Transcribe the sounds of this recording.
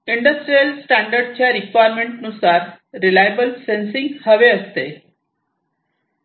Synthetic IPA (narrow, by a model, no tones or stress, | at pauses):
iɳɖəsʈɾijəlsʈæɳɖəɾɖt͡ɕʰjaɾikʋajɾmẽɳʈnusaɾ | ɾilajbəlsensĩŋɡhəʋeəst̪e